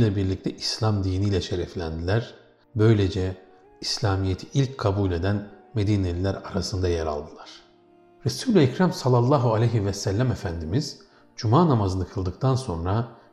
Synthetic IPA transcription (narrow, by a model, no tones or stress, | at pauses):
lʲɛbiɾlʲic̚t̪ʰɛʔislʲamd̪iːniːlʲɛʃeɾɛflʲænd̪ilʲæɾ̥ | bø̞jlʲe̞d͡ʒɛ | islʲaːmijet̪ʰi̥ʔilʲckʰabulʲe̞d̪ænme̞d̪iːnelʲilʲæɾaɾasɯnd̪ajeɾa̰lˠd̪ɯlˠaɾ̥ | ɾesuːlʲɛcɾæmsalˠːɑlˠːaːɦualʲejɦivɛsælʲːæmefænd̪imiz̥ | d͡ʒumaːnamazɯnɯkʰɯlˠd̪ɯk̚t̪ʰanso̞nɾa